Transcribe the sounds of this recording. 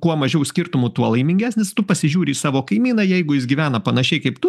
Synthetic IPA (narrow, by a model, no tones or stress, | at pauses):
kuɔmɐʒʲɛʊsʲkʲɪɾt̪ʊmuːt̪uɔlˠɐɪmʲɪŋʲɡʲæːsʲnʲɪst̪ʊpɐsʲɪʒʲuːɾʲiːsɑːʋoːkɐɪmʲiːnɐjɛɪɡʊjɪs̬ɡʲiʋʲæːnɐpɐnɐʃʲɛɪkɐɪpt̪ʊ